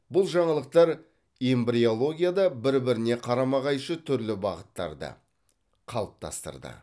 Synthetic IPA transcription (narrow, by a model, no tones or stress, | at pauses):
bʊlˠʒɑɴɑlˠəq̚t̪ɑɾ | embɾio̞lˠo̞ɡʲijad̪ɑbɪɾbɪɾɪne̞qʰɑɾɑmɑʁɑjʃət̪ʰʏɾlɪbɑʁət̪ːɑ̰ɾd̪ə̰ | qʰɑlˠəp̚t̪ʰɑ̰st̪ə̰ɾd̪ə̰